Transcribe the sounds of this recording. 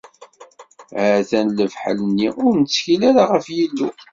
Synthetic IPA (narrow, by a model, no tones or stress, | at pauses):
həθænləvħə̰lənːiʊɾnət͡sːçilaɾaʁəfjilːu